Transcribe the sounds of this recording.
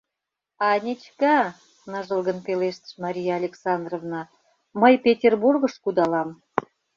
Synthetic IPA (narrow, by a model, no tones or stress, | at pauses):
ɑnʲet͡ɕkɑ | nəʒə̆lˠɣənpeleʃt̪ə̥ʃmɑɾʲijɑːlʲeksɑnd̪rovnɑ | məjpʲetʲerburɣəʃkud̪ɑlɑm